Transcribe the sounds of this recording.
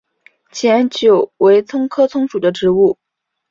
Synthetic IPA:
t͡ɕʰjɛ˧˥nt͡ɕjo˨˩ʊwe˧˥ɪt͡sʰʊ˥ŋkʰɤ˥t͡sʰʊ˥ŋʂu˨˩d̪ə˦ʈ͡ʂɻ̩˧˥u˥˩

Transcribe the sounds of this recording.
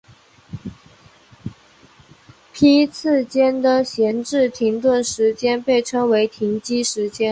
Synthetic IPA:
pʰi˥t͡s̩ʰ˥˩t͡ɕjɛ˥nd̪ə˨ɕjɛ˧˥nʈ͡ʂɻ̩˥˩t̪ʰi˧˥ŋt̪wə˥˩nʂɻ̩˧˥t͡ɕjɛ˥npe˥˩ɪʈ͡ʂʰɤ˥ŋwe˧˥ɪt̪ʰi˧˥ŋt͡ɕi˥ʂɻ̩˧˥t͡ɕjɛ˥n

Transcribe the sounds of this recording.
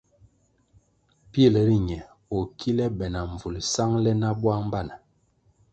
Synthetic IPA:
pje˦˨le˨ɾi˦ɲɛ˨ | o˨kʰi˦lɛ˦bɛ˨na˨ɱ˨vu˨li˨sa˦ŋlɛ˦na˦bwa˦ŋm˦ba˦˨na˨

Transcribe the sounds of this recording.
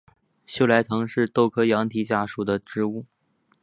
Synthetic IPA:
ɕjo˥˧ʊla˧˥ɪt̪ʰɤ˧˥ŋʂɻ̩˥˧t̪o˥˧ʊkʰɤ˥jɑ˧˥ŋt̪ʰi˧˥t͡ɕja˥˩ʂu˨˩d̪ə˦ʈ͡ʂɻ̩˥u˥˩

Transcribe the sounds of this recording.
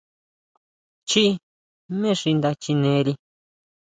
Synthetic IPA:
t͡ʃi˦ | mẽ˦ʂi˧nd̪a˧t͡ʃi˧nẽ˨˦˧ɾi˧

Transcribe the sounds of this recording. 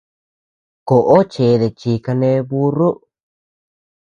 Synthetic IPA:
ko˨ʔo˦t͡ʃe˨˧ðe˨t͡ʃi˨ka˧nẽ˧˦βu˦ru˦ʔ

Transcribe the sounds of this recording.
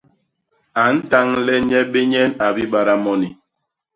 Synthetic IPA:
a˨n̩˦ta˦ŋlɛ˦ɲɛ˦ɓe˦ɲɛ˦na˨bi˦ɓa˨ɾa˦mɔ˦ni˨

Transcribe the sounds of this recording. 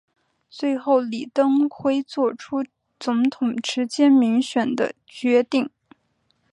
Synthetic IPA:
t͡swe˥˧ɪxo˥˩ʊli˨˩t̪ɤ˥ŋxʰwe˥ɪt͡swɔ˥˧ʈ͡ʂʰu˥ | t͡sʊ˧˥ŋt̪ʰʊ˨˩ŋʈ͡ʂɻ̩˧˥t͡ɕjɛ˥nmi˧˥ŋɕɥɛ˨˩nd̪ə̰˦ | t͡ɕɥɛ˧˥t̪i˥˩ŋ

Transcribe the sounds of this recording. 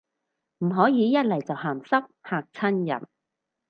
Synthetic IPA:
m̩˨˩ɦɔː˨˥jiː˨˧jɐ˥t̚lɐ˨˩jt͡sɐ˨whaː˨˩msɐ˥k̚haː˨k̚t͡sʰɐ˥njɐ̰˨˩n

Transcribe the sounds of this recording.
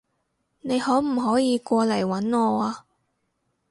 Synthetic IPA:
ne˨˧jhɔː˨˥wm̩˨˩ɦɔː˨˥jiː˨˧kʷɔː˧lɐ˨˩jwɐ˨˥nŋɔː˧aː˧

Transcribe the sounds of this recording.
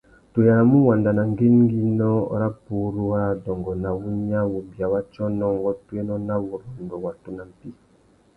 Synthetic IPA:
to˨ja˨ɾa˨mu˦wa˨nda˨na˨ŋɡe˦ŋ˦ŋ˦ɡi˦nɔ˦ɾa˦pu˨˦ɾu˦a˦ɾa˨dɔ˨ŋɡɔ˨na˨wu˦ɲa˦wo˨bi˨a˨wa˦t͡ʃɔ˦nɔ˦ŋ˦ɡɔ˦twe˦nɔ˦na˦wɔ˨ɾa˨ndɔ˨wa˨tu˦na˨m̩˨pi˦

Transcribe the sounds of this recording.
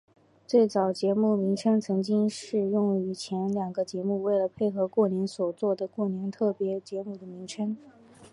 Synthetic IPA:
t͡swe˥˩ɪt͡sɑ˨˩ʊt͡ɕjɛ˧˥mu˥˩mi˧˥ŋʈ͡ʂʰɤ˥ŋt͡sʰɤ˧˥ŋt͡ɕi˥ŋʂɻ̩˥˧jʊ˥˩ŋy˧˥t͡ɕʰjɛ˧˥nljɑ˨˩ŋɡə˦t͡ɕjɛ˧˥mu˥˧we˥˩ɪlə˩pʰe˥˩ɪxɤ˧˥kwɔ˥˩njɛ˧˥nswɔ˨˩t͡swɔ˥˩d̪ə˩kwɔ˥˩njɛ˧˥nt̪ʰɤ˥˩pjɛ˧˥t͡ɕjɛ˧˥mu˥˩d̪ə˩mi˧˥ŋʈ͡ʂʰɤ˥ŋ

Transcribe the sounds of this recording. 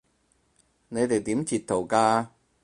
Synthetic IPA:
ne˨˧jt̪e˨jt̪iː˨˥mt͡siː˨˩t̪̚ʰo˨˩wkaː˧

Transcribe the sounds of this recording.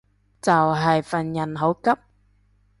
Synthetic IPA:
t͡sɐ˨˩wɦɐ˨˩jfɐ˨˩njɐ˨˩nɦo˨˥wkɐ˥p̚

